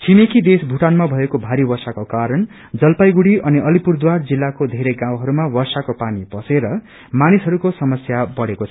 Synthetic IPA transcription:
t͡sʰimekid̪esbʱuʈanmabʱʌekobʱaɾiwʌrsakokaɾʌn | d͡zʌlpajɡuɽiʔʌniʔʌlipurd̪ward͡zilːakod̪ʱeɾeɡãw̃ɦʌɾumawʌrsakopanibʌseɾʌ | manisɦʌɾukosʌmʌsjabʌɽekot͡sʰʌʌ

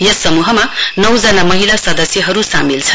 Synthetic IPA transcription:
jʌsːʌmuɦʌmanʌwd͡zʌnamʌɦilasʌd̪ʌsjʌɦʌɾusamilt͡sʰʌ

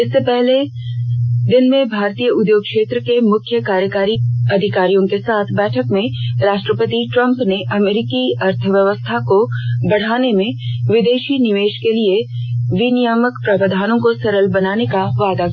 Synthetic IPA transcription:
ɪsːepɛɦle | d̪ɪnmẽbʱaːɾt̪ijəʊd̪joːɡ̚kʃeːt̪ɾəkemʊkʰjəkaːɾjəkaːɾiɐd̪ʱɪkaːɾijõkesaːt̪ʰbɛːʈʰəkmẽɾaːʃʈɾəpət̪iʈɾɐ̃mpneʔɐmeːɾɪkiɐɾt̪ʰəʋjəʋəst̪ʰakobɐɽ̤aːnemẽʋɪd̪eːʃinɪʋeːʃkelieʋinijəməkpɾɐbəd̪ʱaːnõkosɐɾəlbɐnaːnekaʋaːd̪a

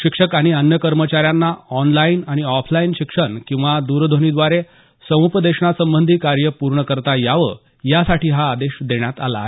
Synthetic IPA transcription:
ɕikʂəkaɽ̃iənjəkəɾmət͡ɕaɾjanːaɔnlainaɽ̃iɔpʰlainɕikʂəɳkĩw̃ʋad̪uɾd̪ʱoñiːd̪ʋaɾe | səʋ̃upd̪eɕɳ̃asəmbənd̪ʱiːkaɾjəpuɾɳəkəɾt̪ajaʋə̰ | jasaʈiːɦaːd̪eɕd̪eɽ̃jat̪ala̰

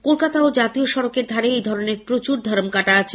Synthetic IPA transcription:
kolkat̪aod͡ʑat̪ioʃɔɾokeɾd̪ʱaɾeejd̪ʱɔɾoneɾpɾot͡ɕuɾd̪ʱaɾomkaʈaat͡ɕʰe

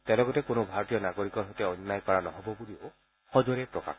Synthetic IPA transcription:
tɛlɔɡɔtɛkonobʱaɹɔtijɔnaɡoɹikɔɹɦɔjtɛɔnːajkaɹanɔɦɔbɔbulio | xɔzɔɹɛpɹɔka̰x

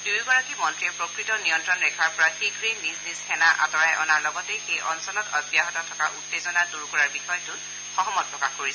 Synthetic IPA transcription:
dujɡɔɹakimɔntɹiɛpɹokɹitɔnijɔntɹɔnɹɛkʰaɹpɔɹaxiɡɹinːiznizxɛnaʔa̰tɔɹajʔɔ̰naɹlɔɡɔtejxejʔɔnsɔlɔtɔbjaɦɔtɔtʰɔkaʔutːezɔnaduɹkɔɹaɹbixɔjtʊn | xɔɦɔmɔt̚pɹɔkaxkoɹis

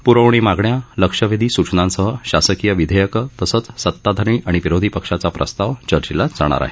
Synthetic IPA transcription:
puɾəʋɳ̃iːmaɡɳjaləkʂəʋid̪ʱiːsut͡ɕnãnsəɦəɕasəkijəʋid̪ʱəjəkət̪əsət͡ssət̪ːad̪ʱəɾɳiːʔaɽ̃iʋiɾod̪ʱipəkʂat͡sapɾə̰st̪aʋt͡ɕəɾt͡ɕilad͡za̰ɽ̃a̰ɾa̰ɦe

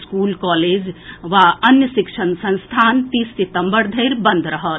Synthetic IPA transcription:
skuːlkɔːleːd͡ʒʋaənjəsikʃʰənsə̃ñst̪ʰaːnt̪iːstit̪əmbəɾd̪ʱəjɾbənd̪ʱɾɐɦət̪

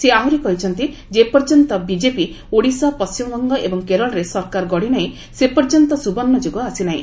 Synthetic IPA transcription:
seaɦuɾikɔɦit͡ʃʰɔnt̪i | d͡ʒepɔɾd͡ʒɔnt̪ɔbid͡ʒepi | oɽisɔpɔst͡ʃimɡɔŋɡɔʔebɔŋkeɾɔɭɾesɔɾkaɾɡɔɽinaɦĩ | sepɔɾd͡ʒɔnt̪ɔsubɔnːɔd͡ʒoɡɔasinaɦḭ̃

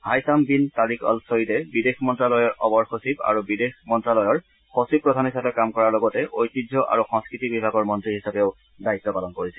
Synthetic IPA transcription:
hajsambintaɹikʰɔ̰lsojitɛbidexmɔntɹalɔjɔɹʔɔbɔɹxosiba̰ɹubidexmɔntɹalɔjɔɹ | xosib̚pːɹɔdʱanɦisapɛkamkɔɹaɹlɔɡɔtɛʔojtidʱɔʔa̰ɹuxɔ̃ŋskɹitibibʱaɡɔɹmɔntɹiɦisapɛʊ | dait̪ːɔpalɔnkoɹisɛ

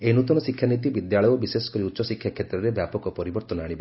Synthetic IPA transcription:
enut̪ɔnɔsikʰːjanit̪ibid̪jaɭɔjɔbisesɔ̥kɔɾiutːʃɔsikʰjakʰːet̪ɾɔɾebjapɔkɔpɔɾibɔɾt̪ɔnɔaɽ̃ibɔ

